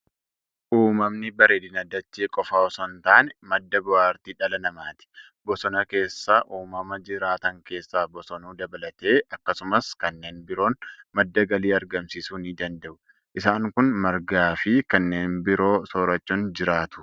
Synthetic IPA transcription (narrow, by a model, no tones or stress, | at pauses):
ʔuːmɐmnɪbɐɾeːd̪ɪnɐd̪ːɐt͡ʃːeːkʼɔfaːɔsɔnt̪aːnmɐd̪ːɐbʊwaːɾt̪iᶑɐlɐnɐmaːt̪ɪ̥ | bɔsɔnɐke̞ːsːaʔuːmɐmɐd͡ʒɪɾaːt̪ɐŋke̞ːsːaːbɔsɔnuːd̪ɐbɐlɐt̪e̞ːɐkːɐsʊmɐskɐnːe̞ːnbɪɾo̞ːnmɐd̪ːɐɡɐliːɐɾɡɐmsisuːnɪd̪ɐnd̪ɐʔʊ | ʔɪsaːŋkʊnmɐɾɡaːfɪkɐnːe̞ːnbɪɾo̞ːsoːɾɐt͡ʃːɔnd͡ʒɪɾaːt̪ʊ̥